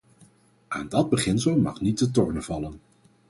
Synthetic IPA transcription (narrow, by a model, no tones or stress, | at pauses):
ʔaːndɑd̚bəχɪnsəlˠmɑ̰χnit̚dətɔɹnəv̥ɑlən